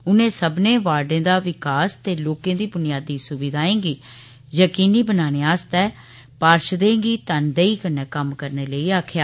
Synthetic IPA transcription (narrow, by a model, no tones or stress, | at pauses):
ʊnẽːsəbnẽːʋaːɖẽːd̪aːʋɪkaːst̪eːloːkẽːd̪iːbʊnɪjaːd̪iːsʊbɪd̪ʱaːẽːɡiː | jəkiːniːbənaːneːaːst̪ɛː | paːɾʃd̪ẽːɡiːt̪ənd̪eiːkənɛːkəmkəɾneːləiːaːkʰjaː